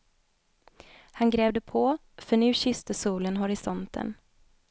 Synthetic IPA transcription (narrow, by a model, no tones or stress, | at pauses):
hanɡɾeːvd̪əpʰɔ | fœɳʉ̟ːɕʏst̪əsuːlənɦʊɾɪsɔnt̪ʰə̰n